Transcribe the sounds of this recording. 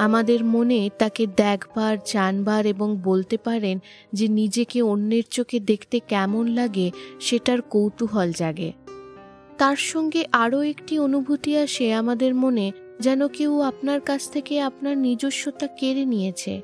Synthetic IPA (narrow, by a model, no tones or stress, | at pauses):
amad̪eɾmonet̪aked̪ɛkʰbaɾd͡ʑanbaɾeboŋbolt̪epaɾen | d͡ʑenid͡ʑekeonːeɾt͡ɕoked̪ekʰt̪ekɛmonlaɡeʃeʈaɾkowt̪uɦɔld͡ʑaɡḛ | t̪aɾʃɔŋɡeʔaɾoekʈionubʱut̪iaʃeamad̪eɾmone | d͡ʑɛnokewapnaɾkat͡ɕʰt̪ʰekeapnaɾnid͡ʑoʃːot̪akeɾenijet͡ɕʰḛ